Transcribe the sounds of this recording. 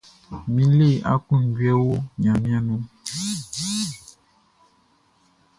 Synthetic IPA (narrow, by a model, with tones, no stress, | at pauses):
mi˦le˦˨ʔa̰˦ku˦˨ŋ˨ɡɥɛ˦wo˦ɲã˨mja˦nu˦